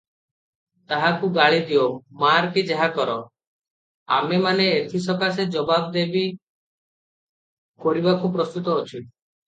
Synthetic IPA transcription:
t̪aɦakuɡaɭid̪iomaɾkid͡ʒeɦakɔɾɔ | a̰memaneːt̪ʰisɔkas̬ed͡ʒɔbabd̪ebi | koɾibakupɾɔst̪ut̪ɔːt͡ʃʰi

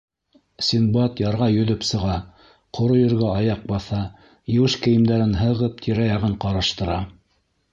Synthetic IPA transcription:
sʲinbɑt̪jɑɾʁɑjɵ̆ðɵpsɤ̆ʁɑ | qʰŏɾojɵ̆ɾɡæɑjɑq̚bɑθɑ | jɘ̆wɘʃkɘ̆jɘ̆md̪æɾɘnɦɤ̆ʁɤp̚t̪ʰiɾæjɑʁɤɴqɑɾɑʃt̪ɤ̆ɾɑ

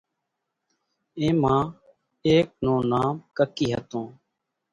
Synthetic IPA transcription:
ẽːmãː | eːk̚nõːnaːmkəkiːɦə̰t̪õː

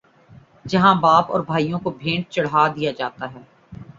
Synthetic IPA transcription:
d͡ʒɐɦãbaːpɔ̰ːɾbʱaːijõkobʱẽːɳʈ̚t͡ʃɐɽ̤aːd̪ijad͡ʒaːt̪aɦɛː

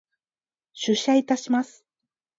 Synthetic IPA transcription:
ɕɨɕait̪aɕimasɨ̥

